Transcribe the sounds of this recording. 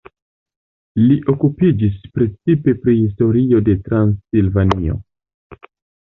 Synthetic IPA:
liʔo̞kupid͡ʒispɾe̞t͡sipe̞pɾihis̬to̞ɾio̞de̞tɾansilvanio̞̰

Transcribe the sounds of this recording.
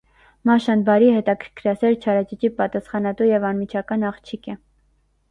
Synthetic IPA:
mɑʃɑnbɑɾihɛt̪ɑkʰəɾkʰɾɑsɛɾt͡ʃʰɑɾɑt͡ʃit͡ʃipɑt̪ɑsχɑnɑt̪ujɛvɑnmit͡ʃʰɑkɑnɑχt͡ʃʰikʰɛ

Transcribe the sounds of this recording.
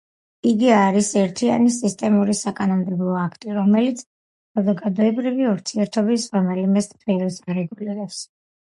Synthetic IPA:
iɡiaɾisɛɾt̪ʰia̰nisist̪ʼɛmuɾisakʼanɔmd̪ɛblˠɔakʰt̪ʼiɾɔmɛlit̪sʰ | sazɔɡad̪ɔɛbɾiviuɾt̪ʰiɛɾt̪ʰɔbisɾɔmɛlimɛst̪ʰilɛsaɾɛɡuliɾɛps

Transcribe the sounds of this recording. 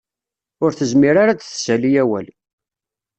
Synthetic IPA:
ʊɾθəzmiɾaɾat͡sθsælijæwæ̰l

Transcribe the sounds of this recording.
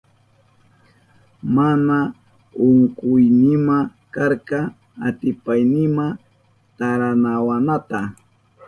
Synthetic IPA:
mana | ʊŋkʊjnɪmakaɾkɑ | at̪ɪpajnɪma | t̪aɾanawanat̪a

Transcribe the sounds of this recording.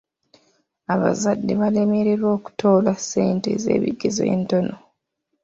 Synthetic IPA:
aβa̰zadːeβalemeɾeɾwo̞ːku̥tʰo̞ːlase̞ːnte̞̰ze̞̰ːβḭɡe̞zo̰ḛnto̞no̞

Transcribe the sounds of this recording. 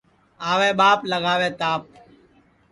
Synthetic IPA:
aːʋẽːɓaːpləɡaːʋeːt̪aːp̚

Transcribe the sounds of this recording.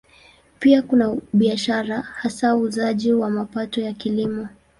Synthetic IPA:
piakunaɓiaʃaɾahasauzaʄiwamapatɔjakilimɔ

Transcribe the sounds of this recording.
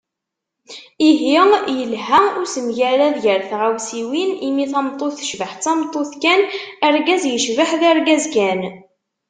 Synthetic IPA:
iɦijəlɦaʊɾsəmʝæɾæðʝəɾθʁawsiwinimiθæmt̪ˤːoθə̥ʃvəħt͡sːæmt̪ˤːoθkænæɾɡæzjəʃvəħðæɾɡæzkæn

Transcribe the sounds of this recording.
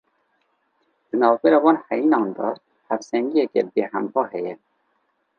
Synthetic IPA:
d̪̥ɨnɑːvbɛɾɑːwɑːnhɛjinɑːnd̪ɑ | hæfsɛŋɡijɛkɛbeːhæmbɑːɦɛjɛ

